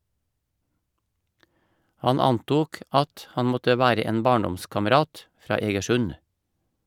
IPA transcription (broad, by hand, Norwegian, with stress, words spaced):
ˈhɑn ˈɑnˌtuːk ˈʔɑt ˈhɑn ˈmɔtə ˈʋæːɾə ˈeːn ˈbɑːɳˌdɔmskɑməˌɾɑːt ˈfɾɑː ˌeːɡəˈʃʉn